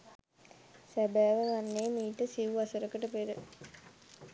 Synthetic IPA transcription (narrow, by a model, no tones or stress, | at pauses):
sæbæːʋəʋanːeːmiːʈəsiʋuasəɾəkəʈəpeɾə